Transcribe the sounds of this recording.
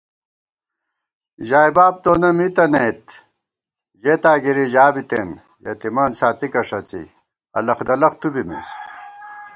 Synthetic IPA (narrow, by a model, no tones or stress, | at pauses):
ʑaːjbaːb̚t̪oːnɐmit̪ɐnet̪ | ʑet̪aːɡiɾiʑaːbit̪en | jɐ̰t̪imɐnsaːt̪ikɐʂɐt͡sḭ | ɐ̰lɐxd̪ɐlɐxt̪ubimḭs